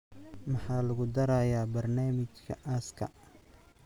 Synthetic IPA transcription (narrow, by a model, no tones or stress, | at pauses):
mɑħɑːlɐɣʊd̪ɐɾaːjaːbɐrnaːmɪt͡ʃkʰɐʔaːskʰɐ̰